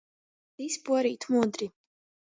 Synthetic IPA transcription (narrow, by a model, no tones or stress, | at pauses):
d̪̥isbwaɾiːt̪ʰmud̪ɾi